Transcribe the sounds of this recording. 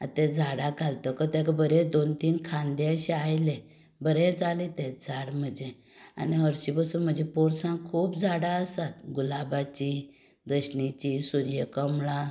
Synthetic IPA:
at̪ɛ̃d͡zʱaɽãkalt̪əkət̪ãkəbəɾẽd̪ont̪iːnkʰãnd̪eəɕeajle | bəɾɛ̃d͡zalit̪ɛ̃d͡zʱaɽm̤əd͡ʑe | a̰niɦəɾɕibəsuːnm̤əd͡ʑepoɾsãŋkʰuːpd͡zʱaɽaəsat̪ɡulabat͡ɕi | d̪əɕnit͡ɕisuɾjəkəmɭã

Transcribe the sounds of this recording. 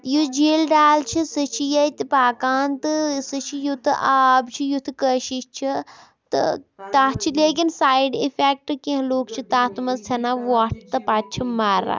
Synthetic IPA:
jud͡ʒeːlɖaːlt͡ʃʰisət͡ʃʰijɐt̪ɨpaːkaːnt̪ɨsɨt͡ʃʰijut̪ʰɨʔaːbt͡ʃʰijut̪ʰkəʃiʃt͡ʃʰi | t̪ɨ̰t̪aːt͡ʃʰileːk̬insaːjɖifʰek̚ʈɨkẽɦloːkt͡ʃʰit̪aːt̪mɐst̪ʰɐnaːʋaːʈt̪ɐpaːt̪̚t͡ʃʰimaːɾa̰ː

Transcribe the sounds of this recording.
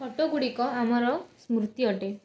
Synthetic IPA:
kɔʈoɡuɽikɔamɔɾɔsmɾut̪iɔʈe

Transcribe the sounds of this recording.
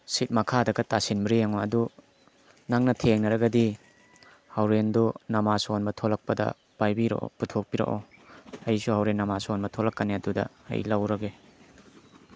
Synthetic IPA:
sit̚mɐkʰadɐɡɐtasinbɾijaŋoɐdu | naŋnɐtʰeŋnɐɾɐɡɐdi | hɐwɾendonɐmasonbɐtʰolɐk̚pɐdɐ̰ | b̥ajbiɾo̰ʔo̰putʰok̚piɾo̰ʔo̰ɐjsuɦɐwɾenːɐmasonbɐtʰolɐkːɐneɐdudɐ̰ɐ̰jlɐwɾɐɡe

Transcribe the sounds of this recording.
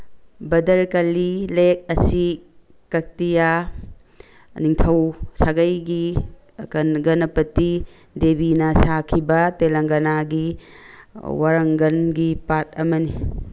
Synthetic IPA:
bɐdɐɾkɐlilek̚ɐsi | kɐk̚tija | niŋtʰɐwsaɡɐjɡi | kɐnɡɐnɐpɐtːi | debinɐsakʰibɐtelɐŋɡɐnaɡi | waɾɐŋɡɐnɡipat̚ɐmɐni

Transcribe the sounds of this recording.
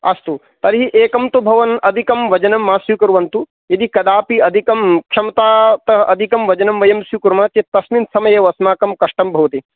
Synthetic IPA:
ɐst̪u | t̪ɐɾɦiʔeːkɐmt̪ubʱɐʋɐnɐd̪ʱikɐmʋɐd͡ʒɐnɐmːaːsjukɐɾʋɐnt̪u | jɐd̪ikɐd̪aːpiɐd̪ʱikɐmkʂɐmɐt̪aːt̪ɐʔɐd̪ʱikɐmʋɐd͡ʒɐnɐmʋɐjɐmsjukuɾmaːt̪jɐt̪ːɐsmint̪sɐmɐjɐʋɐsmaːkɐmkɐʂʈɐmbʱɐʋɐt̪i

